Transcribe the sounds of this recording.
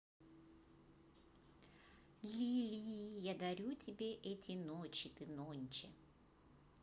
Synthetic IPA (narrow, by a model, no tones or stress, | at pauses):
lʲilʲijad̪ɐɾʲutʲɪbʲe̞ʔɛtʲɪnot͡ɕɪt̪ɨnonʲt͡ɕɪ